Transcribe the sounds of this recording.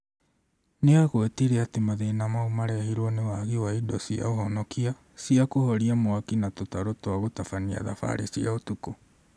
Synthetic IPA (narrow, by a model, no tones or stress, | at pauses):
neaɣoeteɾeatemaðeːnamaumaɾɛhiɾwɔnewaɣiwaidɔsia̰oɦɔnɔkia | siakohɔɾiamoakinatotaɾotwaɣotafania̰ða̰fa̰ɾesiaotuko